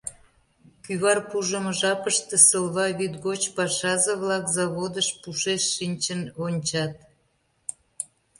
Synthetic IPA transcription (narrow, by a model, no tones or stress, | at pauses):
kyβɑrpuʒəməʒɑpəʃt̪ĕsəlβɑβyt̪ɣot͡ɕpɑʃɑzəβlɑkzɑβod̪əʃpuʃeʃːinʲt͡ɕənonʲt͡ɕɑt̪̚